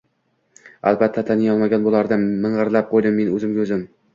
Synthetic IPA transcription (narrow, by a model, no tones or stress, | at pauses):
a̰lbat̪ʰːat̪ʰanɪjɒlˠmaɡʲanbolˠaɾd̪amɪɴʁɨɾlap̚qʰojd̪ɪmːe̞nɵzɪmɡʲɵzɪm